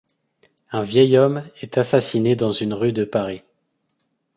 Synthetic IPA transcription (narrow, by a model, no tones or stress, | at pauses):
ɛ̃vjɛjɔmɛt̪asasined̪ɑ̃zynʁyd̪əpaʁi